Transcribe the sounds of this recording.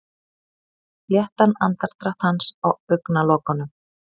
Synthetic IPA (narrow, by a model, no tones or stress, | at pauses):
jɛht̪anant̪aɾ̥t̪ɾaht̪hansawœɥknalɔːkanʏm